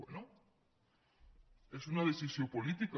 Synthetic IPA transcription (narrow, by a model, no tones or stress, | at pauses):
eno | esunað̞eθisjompolit̪ika